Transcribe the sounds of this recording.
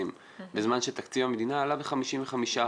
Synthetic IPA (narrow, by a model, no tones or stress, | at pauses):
im | bezmanʃet̪akt͡sivamed̪inaːlabeχamiʃiɱveχamiʃa